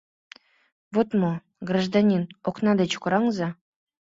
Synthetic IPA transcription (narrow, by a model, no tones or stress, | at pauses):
vot̪mo | ɡraʐd̪ɑnʲinoknɑd̪et͡ɕkoɾɑŋzɑ